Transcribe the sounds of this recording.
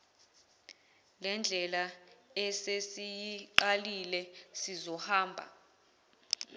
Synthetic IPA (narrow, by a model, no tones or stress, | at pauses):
lɛnd͡ɮʱɛlaɛsesijiǃalilɛsizɔhaːmbʱa̰